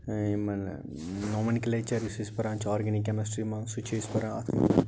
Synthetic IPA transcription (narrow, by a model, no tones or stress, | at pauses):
imɐn̰ | noːmɐnikɐlet͡ʃɐɾisispɐɾaːɲt͡ʃaːɾɡɐnikʲːɐmɐsʈɾimaŋsut͡ʃʰespɐɾãa̰t̪ʰmɐ̰